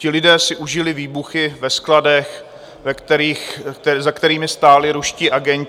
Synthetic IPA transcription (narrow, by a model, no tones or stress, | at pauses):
cɪlɪdɛːsɪʔuʒɪlɪviːbuxɪvɛskladɛx | vɛkt̪ɛɾiːxɛzakt̪ɛɾiːmɪst̪aːlɪɾuʃcɪʔaɡɛɲ